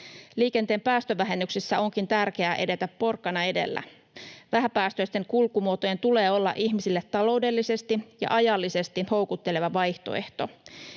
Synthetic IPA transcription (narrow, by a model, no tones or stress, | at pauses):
liːke̞nt̪eːmpæːst̪øʋæɦe̞nːyksesːæo̞ŋkint̪ærk̟e̞æʔe̞de̞t̪æpːo̞rkːɑnɑe̞de̞̰lːæ̰ | ʋæɦæpæːst̪øist̪e̞ŋkulkumuot̪oje̞nt̪ule̞ːo̞lːɑ̰ʔiçmisilːet̪ːɑlo̞wde̞lːise̞st̪ijɑ̰ʔɑjɑlːise̞st̪iho̞wkut̪ːe̞le̞ʋɑʋɑjht̪o̞̰e̞̰ht̪o̞